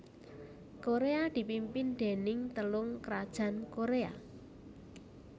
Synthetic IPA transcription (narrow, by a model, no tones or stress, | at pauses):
koɾead̪̥i̤pimpɪnd̪̥e̤nɪŋt̪əlʊŋkɾad̥ʒ̥a̤nkoɾea̰